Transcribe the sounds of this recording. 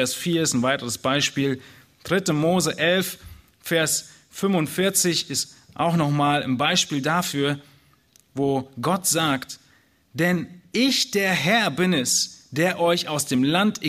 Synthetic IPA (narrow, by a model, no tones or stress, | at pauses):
ɛɐsfiːɐɪstnvaɪtəʁəsb̥aɪʃpiːl | d̥ʁɪtəmoːzəʔɛlf | fɛɐs | fʏmvʊntfɪɐt͡sɪçɪstʔa̰ʊxnɔχmaːla̰nbaɪʃpiːldafyːɐ | voːɡɔtz̥aːkt | d̥ɛnʔɪçd̥eːɐɦɛɐbɪnɛsd̥eːɐʔɔʏçaʊsd̥eːmlantɪ